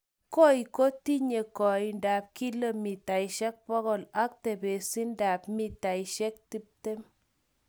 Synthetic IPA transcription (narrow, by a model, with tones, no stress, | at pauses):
ko˦i˨ko˦ti˦ɲe˨kɔ˨i˨nda˨p̚ki˦lə˦˨mi˨ta˨jʃɛ˦k̚pɔ˦kɔ˦˨la˦k̚te˨be˨si˦nda˨pmi˨ta˨iʃɛ˦k̚ti˦p̚te˦m